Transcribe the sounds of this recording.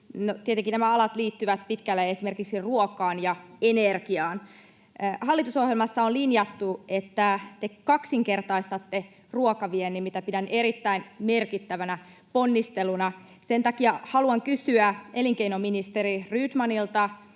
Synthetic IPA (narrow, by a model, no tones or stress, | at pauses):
not̪iet̪eŋkinæmæɑlɑt̪liːt̪ːyʋæt̪̚pit̪kælːeesimerkiksiruokɑːnjɑenerkiɑːn | hɑlːit̪uso̞hjelmɑsːɑonlinjɑt̪ːue̞t̪ːæt̪ekɑksiŋke̞rt̪ɑist̪ɑt̪ːe | ruokɑʋienːimmit̪æpidæne̞ɾit̪ːæinme̞rkit̪ːæʋænæ | po̞nːist̪elunɑ | sent̪ɑkiɑhɑluɑŋkysyæeliŋkeinominist̪eɾiryːt̪mɑnilt̪ɑ